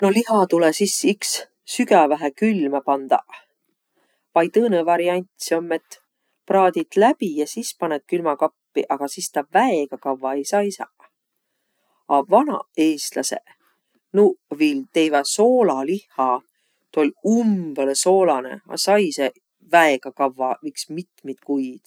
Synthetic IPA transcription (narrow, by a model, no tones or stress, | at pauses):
no̞liɦɑt̪ulesisiksː | yɡævæɦækylmɑpɑnd̪̥ɑ̰ | vɑj̪ɤːnevɑɾiɑnʲt̪ʲsiomːe̞t̪ːˑ | prɑːd̪̥ʲit̪læb̥ijɑsispɑnet̪̚kylmɑkɑpːiʔɑɡ̥ɑsist̪ɑvæeɡ̥ɑkɑvːɑejsɑːisɑ̰ | ɑvɑnɑ̰e̞ːst̪lɑsḛ | nuvilt̪ejvɑso̞ːlɑlihːɑ | t̪olʲumb̥eleso̞ːlɑnḛɑ̰sɑjse | væeɡ̥ɑkɑvːɑvɯjksmit̪mit̪kujd̪̥